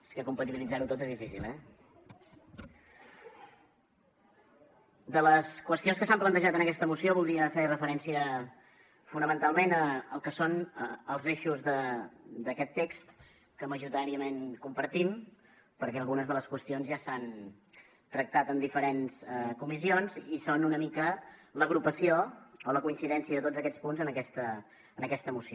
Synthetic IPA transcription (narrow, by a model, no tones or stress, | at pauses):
eskəkumpət̪iβilid͡zaɾut̪ot̪ezðifisḭlˠɛ | d̪ələskwəst̪ionskəsamplənt̪əʒat̪ənəkɛst̪əmusioβlˠd̪ɾiəferəfəɾɛnsiə | funəmənt̪alˠmenəəlˠkəsonəəlˠzeʃuzðəd̪əkɛt̪ːekst̪ | kəməʒuɾit̪aɾiəmenkumpəɾt̪im | pəɾkɛəlˠɣunəzðələskwəst̪ionzʒasan | t̪ɾək̚t̪at̪ənd̪ifəɾenzəkumisionzisonunəmikələɣɾupəsioːləkuinsiðɛnsiəðət̪od͡zzəkɛt͡spunzənəkɛst̪əː | nəkɛst̪əmusio